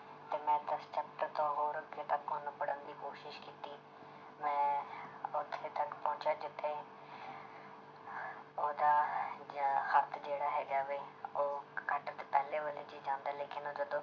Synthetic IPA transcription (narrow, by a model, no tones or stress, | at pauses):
t̪eːmɛ̃ːt̪əst͡ʃʰəp̚ʈəɾt̪õːɦoːɾəkːeːt̪akoːnːpəɽənd̪iːkoːʃɪʃkiːt̪iː | mɛ̃ː | ʊt̪ʰːẽːt̪əkpɔ̃ːt͡ʃaːd͡ʒɪt̪ʰːeː | oːd̪aː | xət̪ʰd͡ʒeːɽaːɦɛːd͡ʒaːʋeːoːkəʈt̪eːpɛːleːʋəleːd͡ʒiːd͡ʒãːnd̪aːleːkʰɪnoːd͡ʒəd̪õː